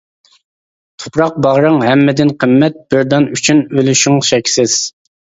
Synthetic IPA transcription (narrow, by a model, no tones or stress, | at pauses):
t̪ʰʊ̥pɾɑq̚bɑʁɾəŋɦɛmːɪd̪ɪnqʰəmːɛt̪̚b̥ɪɾd̪ɑnyt͡ʃʰynølyʃyŋʃɛkʲsɪz̥